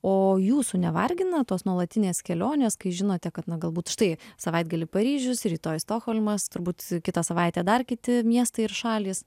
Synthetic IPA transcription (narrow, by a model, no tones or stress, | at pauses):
oːjuːsunʲɛʋɐrʲɡʲɪnɐt̪oːsnuɔlˠɐt̪ʲɪnʲeːskʲɛlʲoːnʲeːskɐɪʒʲɪnoːt̪ʲɛkɐt̪nɐɡɐlˠbuːt̪ʃt̪ɐɪsɐʋɐɪd̪ɡɐlʲɪpɐɾʲiːʒʲʊsɾʲiːt̪oːjst̪oːxoːlʲmɐst̪ʊɾbuːt̪kʲɪt̪ɐsɐʋɐɪt̪ʲɛːd̪ɐrkʲɪt̪ʲɪmʲiɛst̪ɐɪɪrʃɑːlʲiːs